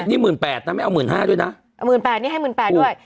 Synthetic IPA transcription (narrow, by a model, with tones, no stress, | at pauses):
niː˥˩mɯː˨˩npɛː˨˩t̪̚ːaː˧ma˥˩jʔa˧mɯː˨˩nɦaː˥˩du˥˩ə˨jna˦˥ | ʔa˧mɯː˨˩npɛː˨˩niː˥˩ɦa˥˩mː˨˩npɛː˨˩tːdu˥˩əj